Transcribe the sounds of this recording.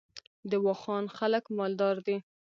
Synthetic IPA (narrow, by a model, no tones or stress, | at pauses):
d̪əwɑxɑnxaləkmɑld̪ɑɾd̪i